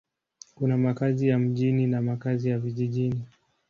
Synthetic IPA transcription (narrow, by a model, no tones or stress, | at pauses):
kunamakazijam̩ʄininamakazijaviʄiʄini